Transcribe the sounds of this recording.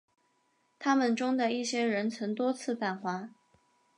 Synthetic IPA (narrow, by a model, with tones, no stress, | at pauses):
t̪ʰa˥mə˨nʈ͡ʂʊ˥ŋd̪ə˨i˥˩ɕjɛ˥ɻə˧˥nt͡sʰɤ˧˥ŋt̪wɔ˥t͡sʰɹ̩˥˩t̪a˨˩nxwa˧˥